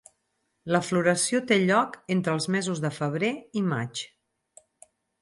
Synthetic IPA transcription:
ləfluɾəsiot̪eʎɔkent̪ɾəlˠzmɛzuzðəfəβ̞ɾeima̰t͡ʃ

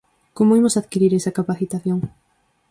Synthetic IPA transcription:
komoimosaðkiɾiɾesɐkapaθit̪aθjoŋ

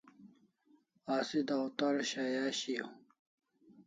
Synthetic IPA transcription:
aːsid̪awt̪ɐɾɕajaːɕio

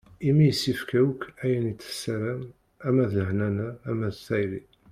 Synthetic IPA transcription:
imijəsːifkæwkːæjənit͡sːə̥sːæɾæm | æmæðləhnænæːmːæðsæjɾi

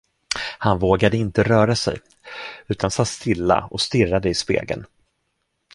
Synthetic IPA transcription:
hanvoːɡad̪əɪnt̪əɾœːɾasɛ̰j | ʉ̟ːt̪ʰansat̪ːst̪ɪlːa̰ɔst̪ɪrːad̪əɪspḛːɡə̰n

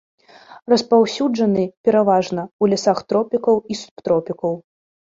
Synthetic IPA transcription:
rɐspawsʲud͡ʐɐnɨpʲɛɾavaʐnɐulʲasaxt̪ɾɔpʲikɐwisu̥pt̪ɾɔpʲikɐw

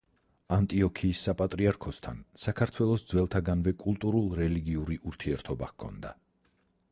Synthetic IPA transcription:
ant̪ʼiɔkʰiːsːapʼat̪ʼɾiaɾkʰɔst̪ʰa̰nsakʰaɾt̪ʰwɛlˠɔsd̪zwɛlˠt̪ʰaɡanvɛkʼulˠt̪ʼuɾulˠɾɛliɡiuɾiʔuɾt̪ʰiɛɾt̪ʰɔbaʁkʰɔ̰nd̪a̰

